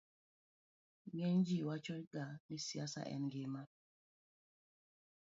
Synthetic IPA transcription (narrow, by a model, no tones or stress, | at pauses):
mɛnd͡ʒiwat͡ʃɔjɡanisiasa̰ʔɛ̰nɡema